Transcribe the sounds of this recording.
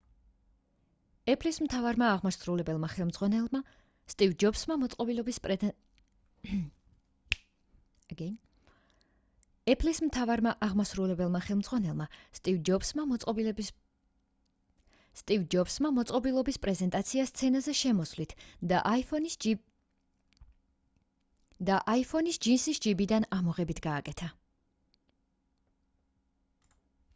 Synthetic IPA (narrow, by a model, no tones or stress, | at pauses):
ɛpʰlismt̪ʰavaɾmaːʁmasɾulɛbɛlˠmaχɛlˠmd̪zʁwanɛlma | st̪ʼivd͡ʒɔbsmamɔt̪sʼqʼɔbilɔbispʼ | ɡɛ | ɛpʰlismt̪ʰavaɾmaʔaʁmasɾulɛbɛlˠmaχɛlˠmd̪zʁwanɛlˠmast̪ʼivd͡ʒɔbsmamɔsʼɔbil | st̪ʼid͡ʒɔbsmamɔt̪sʼqʼɔbilˠɔbispʼɾɛzɛnt̪ʼat̪sʰiast̪sʰɛnazɛʃɛmɔsvlit̪ʰd̪aʔ | d̪aʔaipʰɔnisd͡ʒinsisd͡ʒibid̪anamɔʁɛbit̪ʰɡaːkʼɛt̪ʰa